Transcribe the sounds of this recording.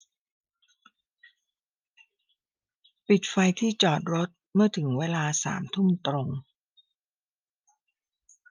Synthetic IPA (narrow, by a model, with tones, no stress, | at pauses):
pi˨˩t̪̚fa˧jt̪ʰiː˥˩t͡ɕɔː˨˩t̪̚ɾo˦˥t̪̚mɯ˥˩ɐt̪ʰɯ˩˦ŋweː˧laː˧sa̰ː˩˦mt̪ʰu˥˩mt̪ɾo˧ŋ